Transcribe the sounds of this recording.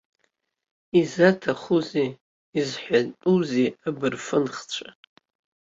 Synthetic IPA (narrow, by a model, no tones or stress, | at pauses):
izatʰaχuziː | zħʷatʼuziabɨrfɨnχt͡ɕʷʰa